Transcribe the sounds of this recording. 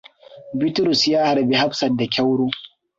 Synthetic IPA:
bi˦tʊ˦ɾʊ˨sjaː˦ha˨ɾbe˦ha˦ɸsɐ˨da˨kʲa˦wɽoː˦

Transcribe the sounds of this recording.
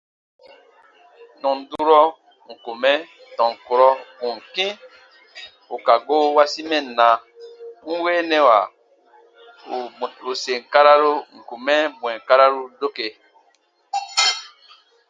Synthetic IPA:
nɔ̃˨n˨du˦ɾɔ˦ | ŋ̩˨ku˨mɛ˦ | tɔ̃˨ŋ˨ko˨ɾɔ˦kũ˨ŋ˨kĩ˦ | o˨ka˨ɡo˦wa˦si˦mɛ̃˦˨nã˨˦ | n̩˦weː˦nɛ̃˦wa̰˨ | o˨se˨ŋ̩˨ka˦ɾa˦ɾo˦ŋ̩˨ku˨mɛ˦bw̃ɛ̃˨ka˦ɾa˦ɾu˦do˦ke˨

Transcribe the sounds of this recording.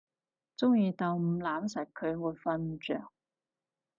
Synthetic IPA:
t͡sʊ˥ŋjiː˧t̪ɐ˨wm̩˨˩laː˨˥msɐ˨˩k̚kʰɵ˨˧ɥwuː˨˧jfɐ˧nt͡ʃœ̰ː˨˩ŋ̚

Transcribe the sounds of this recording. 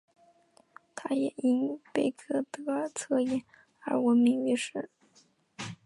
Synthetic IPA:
t̪ʰa˥jɛ˨˩i˥ŋpe˥˩ɪkʰɤ˥t̪ɤ˧˥ə˧˥t͡sʰɤ˥˩jɛ˨˩˦n | ə̰˞˧˥wə˧˥nmi˧˥ŋy˧˥ʂɻ̩˥˩

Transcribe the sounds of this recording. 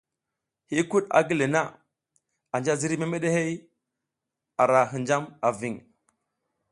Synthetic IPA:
hi˦ku˦ɗa̰˨ɡi˦le˨na˦ | a˨nd͡ʒa˦zi˦ɾi˦me˦me˦ɗe˦he˦j | a˨ɾa˨ɦi˨nd͡ʒa˦ma˨vi˦˨ŋ

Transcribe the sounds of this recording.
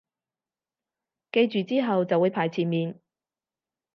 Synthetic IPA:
ke˧jt͡ʃyː˨˧t͡siː˥ɦɐ˨wt͡sɐ˨wuː˨˧jpʰaː˨˩jt͡sʰiː˨˩nmiː˨˧n

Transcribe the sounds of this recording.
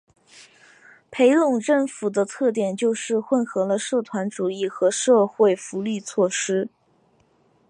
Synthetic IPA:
pʰe˧˥ɪlʊ˥˩ŋʈ͡ʂə˥˩ŋfu˨˩d̪ə˦t̪ʰɤ˥˩t̪̬jɛ˨˩nt͡ɕjo˥˧ʊʂɻ̩˥˧xwə˥˧nxɤ˧˥lə˧ʂɤ˥˩t̪ʰwa˧˥nʈ͡ʂu˨˩i˥˩xɤ˧˥ʂɤ˥˧xwe˥˩ɪfu˧˥ly˥˧t͡sʰwɔ˥˩ʂɻ̩˥

